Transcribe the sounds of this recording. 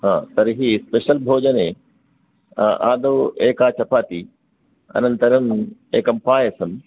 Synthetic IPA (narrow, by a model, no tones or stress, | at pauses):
ɦãːt̪ɐɾɦispeːʃəlbʱoːd͡ʑənẽː | ʔaːd̪oːeːkaːt͡ɕʰɐpʰaːt̪iː | ɐ̰nənt̪ɐɾəmeːkɐmpaːesɐm